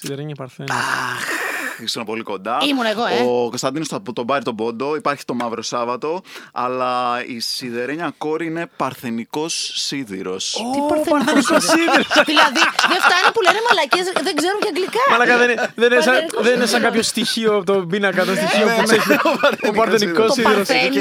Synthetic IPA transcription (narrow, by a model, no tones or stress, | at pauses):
siðeɾeɲɐpɐɾθenɐxisonɐpo̞liko̞nd̪ɐimunɐeɣookost̪ɐnd̪inost̪ɐpot̪obɐɾit̪o̞bo̞nd̪o̞ipɐɾçi̥t̪o̞mɐvɾo̞sɐvɐt̪o̞ɐlɐisiðeɾeɲɐko̞ɾiine̞pɐɾθeniko̞sːiðḭɾo̞̰spɐɾɾosiðiɾosðillɐðiðeft̪ɐinepulenemɐlɐcesðeɡzeɾuɲcɐɡlikɐmɐlɐkɐðenðenesɐðeninesɐŋɡɐpçost̪içioot̪obinɐkɐt̪ost̪içiopɐɾopɐɾθenikossiðiɾosn